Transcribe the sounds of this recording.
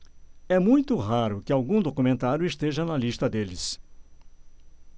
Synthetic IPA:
ɛmũj̃t̪ʊɦaɾʊkɪawɡũd̪okumẽnt̪aɾjʊɪst̪eʒɐnɐlist̪ɐd̪elɪs

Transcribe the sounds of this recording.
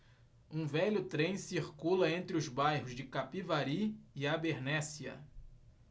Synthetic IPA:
ũvɛʎʊt̪ɾẽj̃siɾkulɐẽnt̪ɾɪʊzbajɦʊzd͡ʒɪkapivaɾiɪabeɾnɛsiɐ̰

